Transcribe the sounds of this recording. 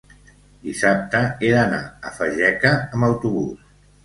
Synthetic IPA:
d̪isap̚t̪əeðəna̰əfəʒɛkəːmbəwt̪uβus

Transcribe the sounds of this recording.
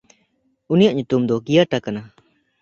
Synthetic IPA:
unijaʔ̚ɲut̪umd̪ɔɡijaʈakana

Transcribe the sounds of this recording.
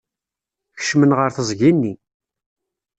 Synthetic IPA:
çə̥ʃmənʁəɾθəzˤʝinːi

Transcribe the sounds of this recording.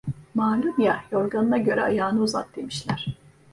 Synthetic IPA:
maːlʲumjajo̞ɾɡanɯnaɟø̞ɾɛajaːnɯuza̰t̪̚d̪e̞miʃlʲæɾ̥

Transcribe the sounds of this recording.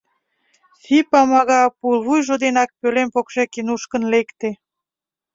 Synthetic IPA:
sipɑmɑɣɑpulβujʒod̪enɑk̚pølempokʃekenuʃkə̆nlekt̪e

